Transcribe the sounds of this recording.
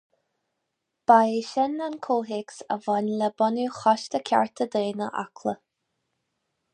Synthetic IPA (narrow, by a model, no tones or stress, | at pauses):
b̥ajiʃɛnankʰoːɦɪksə̰vɔnləbɔnuxɔʃt̪əkʰʲa̰ɹt̪ʰəd̪eːnəʔa̰kʰlə